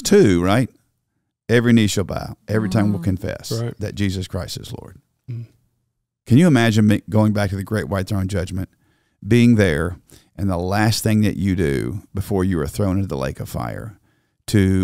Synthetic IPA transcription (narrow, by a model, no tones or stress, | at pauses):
tʰʉɹaɪt̚ | ɛvɹiniʃɨlˠba̰ɛvɹitʰãɪ̃mwilˠkʰɨ̃ɱfɛ̰sðɨ̰t̚d̥ʒ̥izɨskʰɹ̥aɪstɨ̰z̥lɔ̰ɹd̥̚ | kʰɨ̃njɨəmæd͡ʒɨ̃nmiɡ̥oʊɪ̃ŋbæk̚tʰɨðɨɡɹeɪʔ̚waɪt̪θɹõʊ̃nd͡ʒʌd͡ʒmɨ̰̃n | b̥iɪ̃ŋðə˞ | ʔɨ̃nðəlæst̪θɪ̃ŋðɨ̰t͡ʃɨdʉ̰b̥ɨfɔɹjɨə˞θɹõʊ̃nɪ̃ntɨðə̰lḛɪkʌv̥fa̰ɪə̰˞ | tʰɨ